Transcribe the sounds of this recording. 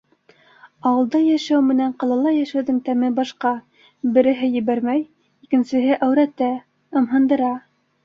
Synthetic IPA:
ɑwɤ̆lˠd̪ɑjæʃæwmɘ̆næɴqɑlˠɑlˠɑjæʃæwðɤŋt̪æmɘbɑʃqɑ | bɘ̆ɾɘ̆ɦɘjɘ̆βæɾmæj | ikɘ̆nsɘ̆ɦɘʔæwɾæt̪æ | ɤ̆mɦɤ̆nd̪ɤ̆ɾɑ

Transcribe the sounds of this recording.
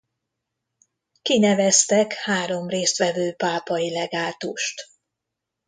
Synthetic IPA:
kinɛvɛst̪ɛkhaːɾo̞mreːst̪ʋɛvøːpaːpɒilɛɡaːt̪uʃt̪

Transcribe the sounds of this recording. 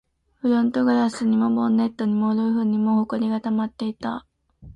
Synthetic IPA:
ɸɯ̟ɾõnt̪o̞ɡɯɾasɨɲ̟imobonːe̞t̪ːo̞ɲ̟imo̞d̪ojɯ̟ɸɯ̟ːɲ̟ːimo̞ːhoko̞ɾʲiɡat̪amat̪ːe̞it̪a̰

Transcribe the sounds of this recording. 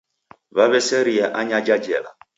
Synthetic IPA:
βaβɛsɛɾiɛʔaɲad͡ʒad͡ʒɛ̰la̰

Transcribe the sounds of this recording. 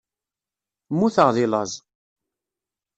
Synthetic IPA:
muθəʁðɪlɑzˤ

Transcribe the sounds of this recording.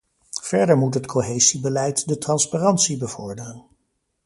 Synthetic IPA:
v̥ɛɹdəɹmutɦətkʰoɦejzibəlɛjtdətrɑnsparɑntsibəv̥ɔɹdərən

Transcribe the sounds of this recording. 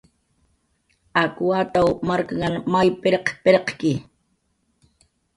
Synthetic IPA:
akwat̪awmaɾkaŋanmajpɪɾeqpeɾeqkɪ

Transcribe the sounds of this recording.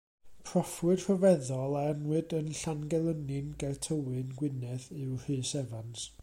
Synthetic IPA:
pʰrɔfwɨd̥rɔvɛðɔlˠaanwɨdənɬanɡɛlˠənɨnɡɛrtʰəwɨnɡwɪnɛðɨwr̥ɨsɛvans

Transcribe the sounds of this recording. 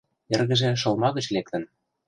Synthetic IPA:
erɣə̆ʒĕʃɤ̆lmɑɣə̆t͡ɕlek̚t̪ə̆n

